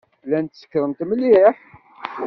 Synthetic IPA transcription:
lænt̪sə̥kːɾˤəmt̪məlːiħ

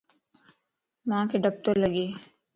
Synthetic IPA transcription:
mãːkeɖəb̚t̪oləɡeː

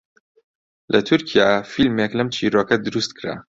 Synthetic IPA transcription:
lʔɐt̪ʰuɾkʰijafilmeklɐmt͡ʃʰiːɾoːkɐd̪ɨɾust̪kʰɾa̰

